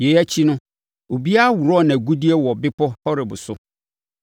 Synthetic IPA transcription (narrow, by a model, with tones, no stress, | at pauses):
je˨˦æ˦t͡ɕʰi˦nʊ̃˦ | o˨bi˦a˦wu˨ɾɔ˦˨nã˨ɡu˦di˦ɛ˦wɔ˨bɪ˦pʰɔ˦pɔ˦ɾɪ˨bʊ̰˨sʊ˦